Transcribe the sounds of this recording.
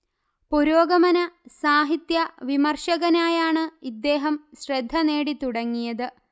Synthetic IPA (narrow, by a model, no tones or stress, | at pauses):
puɾoːɡɐmɐnɐsaːɦit̪jɐʋimɐrʂɐɣɐnaːjaːɳɨid̪ːe̞ːɦɐmɕred̪ʱːɐne̞ːɽit̪uɽɐŋːijɐðɨ